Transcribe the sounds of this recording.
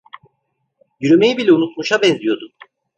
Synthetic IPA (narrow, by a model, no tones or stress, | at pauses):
jyɾymejibilʲɛunut̪muʃabɛnzʲijo̞d̪u